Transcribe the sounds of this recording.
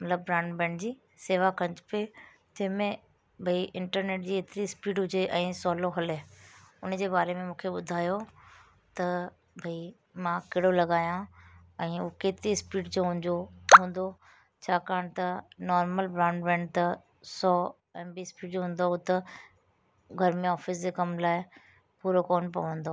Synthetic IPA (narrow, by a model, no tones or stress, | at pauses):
mɐt̪ləbːɾãːɳɖbɛ̃ːɳɖd͡ʑiː | seːʋakɐ̃ɲt͡ɕpe | t̪ɐ̃ɦmẽ | bʱɐiʔɪ̃ɳʈəɾneːʈ̚d͡ʑiːet̪ɪɾispiːɖɦʊd͡ʑeʔɛ̃ːsɔːloɦɐleʊnd͡ʑeːbaːɾemẽmũːkʰeɓʊd̪ʱaːjo | t̪ɐ | bʱɐi | mãːkeɦɽolɐɠaːjãɛ̃ːukeːt̪ɾispiːʈd͡ʑoːɦũoɦũːn̆d̪o | t͡ɕʰaːkaːɽ̃t̪ɐnɔːɾməlbɾãːɳɖʋɛ̃ːɳɖt̪ɐ | sɔː | ɛ̃ːbiːspiːʈ̚d͡ʑoːɦũːnd̪oɦʊt̪ɐ | ɡʱɐɾmẽɔːfɪs̬d͡ʑekɐmlaːɪ | puːɾokoːnpɐʋə̃nd̪oː